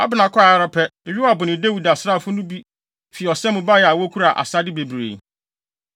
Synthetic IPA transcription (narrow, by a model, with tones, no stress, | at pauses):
a̰˦bɪ˨nã˨kʰʷɔ˦a˨˦ɾɔ˦pʰɛ˦˨ɥi˦a˨bʊ˨nɪ̃˨de˦wu˨da˨sɾa˦˨fʊ˦nʊ̃˦bi˦ | fi˨ɔ˨sɛ̃˦mʊ̃˨ba˦jɛ˨a˨wɔ˦kʰu˦ɾa˨ʔa̰˨sa˦dɪ˦be˨bɾḛ˨